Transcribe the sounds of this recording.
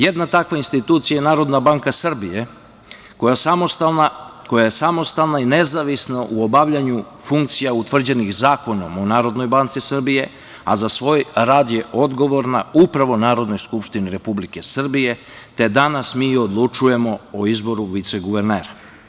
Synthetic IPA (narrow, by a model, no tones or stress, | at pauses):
jed̪nat̪akʋainst̪it̪uːt̪sijajenaːɾo̞d̪nabaŋkasr̩bije | kojaaost̪aako̞jajesamo̞st̪alnainezaʋisnaʔuobaʋʎaɲu | fuŋkt̪sijaut̪ʋr̩d͡ʑenixzaːko̞nomonaːɾo̞d̪no̞jbant̪sisr̩bije̞ | a̰zasʋo̞ːjɾaːd̪jeʔo̞d̪ɡo̞ʋo̞ɾnaupɾaʋo̞naːɾo̞d̪no̞jskupʃt̪iniɾe̞publike̞sr̩bije̞ | t̪e̞d̪anasmiːod̪lˠut͡ʃuje̞mo̞oizbo̞ɾuʋit̪seɡuʋeɾneːɾa